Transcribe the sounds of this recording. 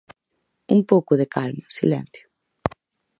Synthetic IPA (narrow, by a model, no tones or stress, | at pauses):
ṵmpowkʊðekalmʊsḭlɛ̰n̟θjʊ